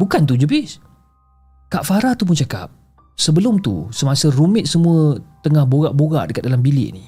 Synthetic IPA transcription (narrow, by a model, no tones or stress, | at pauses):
bukant̪̬ud͡ʒəbɪs | kaʔfaɾat̪up̬ʊnt͡ʃaka̰p̚ | səbəlʊmt̪ṵsəmasərumɪt̪̚səmũət̪əŋahboɣaʔboɣa̰ʔdəkat̪̚dalambilɪ̰ʔni